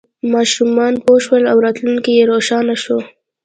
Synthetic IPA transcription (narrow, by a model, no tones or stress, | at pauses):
mɑʃumɑnpoʃwəlawɾɑt̪luŋkijeɾoʃɑnaʃo